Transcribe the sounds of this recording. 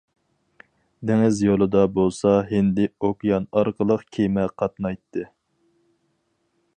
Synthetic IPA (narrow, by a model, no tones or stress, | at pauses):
d̪eŋɪzjolˠɨd̪ɑbolˠsɑɦɪnd̪ɪokjɑnɑɾqʰəlˠəqkʲʰemɛqʰɑt̪̚nɑjt̪ʰːɨ